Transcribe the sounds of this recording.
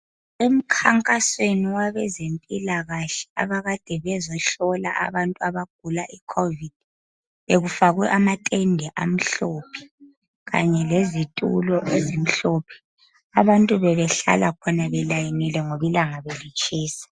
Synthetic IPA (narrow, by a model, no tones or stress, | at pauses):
em̩kʰaŋkʼasweniwaβɛzempʼilaɣaɬɛa̰βaɣad̥ʱɛβɛzɔɬɔla̰ʔa̰βantʼuaβaɡ̥̚ʱulaʔikʰovid̥̚ | βeɣufaɣwɛʔamatʼɛndʱɛʔa̰m̩ɬoːpʰi̥ | ɣa̰ɲɛlezitʼṵlɔʔezim̩ɬopʰɛ̥ | aβantʼuβɛβɛɬa̰lakʰɔnaβɛlajinilɛŋoβilaŋaβelit͡ʃʼiːsḁ